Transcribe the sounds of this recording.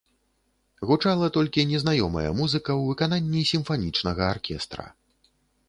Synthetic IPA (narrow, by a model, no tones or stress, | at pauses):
ɣut͡ʂalˠɐt̪ɔlʲkʲinʲɛznajɔmɐ̰jɐ̰muzɨkɐwvɨkananʲːisʲimfanʲit͡ʂnɐɣɐarkʲʰɛst̪ɾɐ̰